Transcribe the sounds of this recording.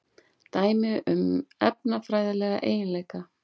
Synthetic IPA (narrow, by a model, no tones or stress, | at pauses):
t̪aːjmɪʔʏmɛpnafɾaːjðɪlɛːɣa̰ʔḛːjɪnlejka